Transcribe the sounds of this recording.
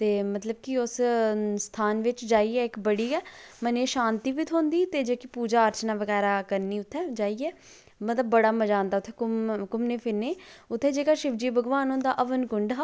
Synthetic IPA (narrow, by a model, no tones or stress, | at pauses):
t̪eːmət̪ləb̚kɪʊsst̪ʰaːnʋɪt͡ʃd͡ʒaːiːɛːɪkbəɽiːɛːməneːʃaːnt̪iːʋit̪ʰɦõːnd̪iːt̪eːd͡ʒeːkipuːd͡ʒaːəɾt͡ʃnaːʋəɣɛːɾaːkəɾniːʊt̪ʰːɛ̃ːd͡ʒaːiːɛː | mət̪ləbːəɽaːməd͡ʒãːnd̪aːʊt̪ʰːeːkʊmkʊmneːpʰɪnːeːʊt̪ʰːeːd͡ʒeːkaːʃɪʋd͡ʒiːbʱəɡʋaːnɦoːnd̪aːʔəʋənkʊɳɖɦaː